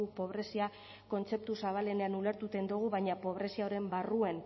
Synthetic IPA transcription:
upo̞βɾe̞sia | ko̞nt͡se̞p̚t̪usaβ̞ale̞ne̞anule̞ɾt̪ut̪e̞nd̪uɣ̞uβajɲapo̞βɾe̞siao̞ɾe̞mbaruen

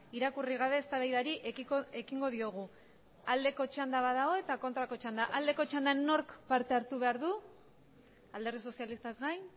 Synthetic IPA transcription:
iɾakuriɣ̞aβ̞e̞ːst̪aβajðaɾiʔee̞kiŋɡo̞ðio̞ɣ̞u | ald̪e̞ko̞t͡ʃand̪aβaðao̞e̞t̪ako̞nt̪ɾako̞t͡ʃand̪aʔald̪e̞ko̞t͡ʃand̪anːo̞ɾkpaɾt̪e̞aɾt̪uβe̞aɾðu | ald̪erðiso̞sialist̪azɣajn

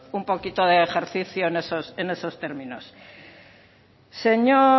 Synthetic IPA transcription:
umpo̞kit̪o̞ðe̞ːxe̞ɾθiθjoenesosene̞so̞st̪eɾmĩno̞s | se̞ɲo

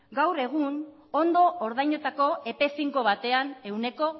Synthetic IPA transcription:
ɡawre̞ɣ̞un | o̞nd̪o̞ʔoɾð̞ajɲot̪ako̞e̞pe̞siŋko̞β̞at̪e̞ane̞wne̞ko̞

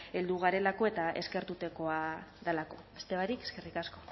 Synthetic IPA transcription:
e̞ld̪uɣ̞aɾe̞lako̞e̞t̪aʔe̞ske̞ɾt̪ut̪eko̞aðalako̞est̪e̞βaɾikeske̞rikasko̞̥

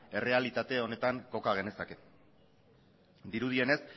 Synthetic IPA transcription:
e̞re̞alit̪at̪e̞o̞ne̞t̪aŋko̞kaɣ̞e̞ne̞sake̞ | d̪iɾuð̞ie̞ne̞s

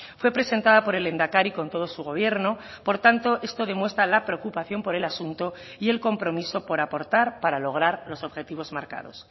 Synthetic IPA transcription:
fwe̞pɾe̞se̞nt̪aðapo̞ɾe̞lend̪akaɾiko̞nt̪o̞ð̞osuɣ̞o̞β̞je̞ɾno̞ | po̞ɾt̪ant̪o̞ʔe̞st̪o̞ð̞e̞mwe̞st̪ɾalapɾeokupaθjo̞mpo̞ɾe̞lasunt̪o̞ | ie̞lko̞mpɾo̞miso̞po̞ɾapo̞ɾt̪aɾpaɾalo̞ɣ̞ɾaɾlo̞so̞βxe̞t̪iβ̞o̞zmaɾka̰ðo̞̰s

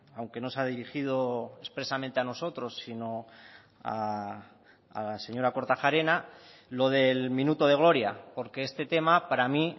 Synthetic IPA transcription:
awŋke̞no̞saðiɾixið̞o̞e̞spɾe̞samẽnt̪eano̞so̞t̪ɾo̞sːino̞ | a | a̰lase̞ɲo̞ɾako̞ɾt̪axaɾe̞nalo̞ð̞e̞lmĩnut̪o̞ð̞e̞ɣ̞lo̞ɾjapo̞ɾke̞est̪e̞t̪e̞mapaɾami

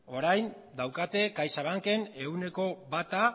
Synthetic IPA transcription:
o̞ɾajn | d̪awkat̪e̞kajsaβaŋke̞ne̞ɣune̞ko̞bat̪a

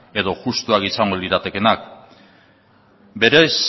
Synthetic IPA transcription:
e̞ðo̞ʝust̪uakisaŋɡoliɾat̪e̞ke̞nak | be̞ɾe̞s

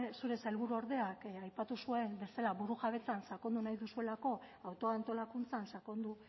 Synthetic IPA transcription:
suɾe̞sajlβ̞uɾuo̞ɾðe̞akajpat̪usue̞mbe̞st̪elaβuɾuʝaβ̞e̞t͡sansako̞nd̪unajðusue̞lako̞awt̪o̞ant̪o̞lakunt͡sansako̞nd̪u

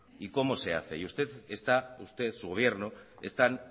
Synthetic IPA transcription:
iko̞mose̞a̰θḛjust̪e̞t̪est̪aust̪e̞t̪suɣo̞β̞je̞ɾnue̞st̪an

